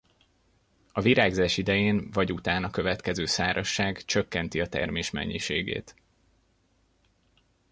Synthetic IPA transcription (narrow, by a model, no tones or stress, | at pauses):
ɒviɾaːɡzaːʃid̪ɛjeːnvɒɟut̪aːnɒkø̞vɛt̪kɛzøːsaːɾɒʃːaːɡt͡ʃøkːɛnt̪iɒt̪ɛ̰rmeːʃmɛ̰ɲːiʃeːɡḛːt̪